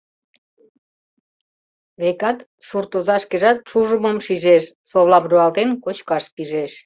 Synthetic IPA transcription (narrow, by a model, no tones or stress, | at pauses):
βekɑt̪suɾt̪uzɑʃkeʒɑt̪̚ʃuʒumomʃiʒeʃsoβlɑβɾoɑlt̪enkot͡ɕkɑʃpiʒeʃ